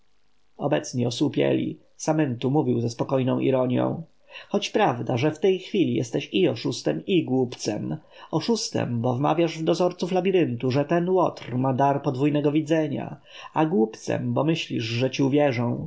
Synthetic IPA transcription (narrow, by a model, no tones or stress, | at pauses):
ɔbɛt̪sɲiɔswupʲjɛ̰lʲḭ | samɛnt̪umuvʲiwzɛspɔkɔjnɔ̃w̃ʔḭɾɔɲjɔ̰̃w̃ | xɔt͡ɕpɾavd̪aʐɛft̪ɛjxfʲilʲijɛ̰st̪ɛɕiɔʂust̪ɛmiɡwupt̪sɛ̰m | ɔʂust̪ɛ̰mbɔvma̰vʲjaʐvd̪ɔzɔɾt̪suflabʲiɾɘnt̪uʐɛt̪ɛnwɔt̪ɾmad̪aɾpɔd̪vujnɛɡɔvʲid̪zɛɲa̰ | aɡwupt̪sɛ̰mbɔmɘɕlʲiʐʐɛt͡ɕiuvʲjɛʐɔ̃w̃